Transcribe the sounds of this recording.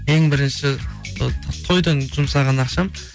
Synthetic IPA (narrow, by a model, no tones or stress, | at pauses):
eŋbɪɾɪnʃɪ | t̪ʰo̞jd̪ənʒʊmsɑʁɑnɑqʃɑm